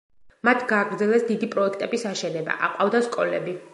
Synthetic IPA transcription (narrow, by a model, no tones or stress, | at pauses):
mat̪ʰɡaːɡɾd̪zɛlɛsd̪id̪ipʼɾɔɛk̚ʰt̪ʼɛbisaʃɛnɛba̰ʔa̰qʼavd̪askʼɔlɛbi